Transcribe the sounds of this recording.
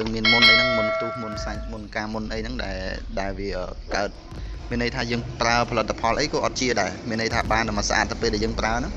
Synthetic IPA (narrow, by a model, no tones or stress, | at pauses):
əːŋmiənmunʔəjnɨŋmunkʰt̪uːhmunʰsaɲmunkaːmunʔəjnɨŋɗa̰ɛlɗaɛlʋiəʔəːkaət̪̚ | miənːəjt̪ʰaːjəːŋpraəpʰɑlɨt̪ʰːapʰɑlʔəjkɑːʔɑt̪̚t͡ɕiəɗaɛmiənːəjt̪ʰaːɓaːnɗəmasʔa̰ːt̪̚nɨpeːlɗaɛjəːŋpraənɨŋ